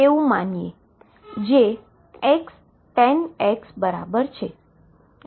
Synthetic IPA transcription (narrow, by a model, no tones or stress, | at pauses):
eũmanije | d͡ʒe | ɛks | ʈɛnɛksbəɾa̰bəɾt͡ʃʰe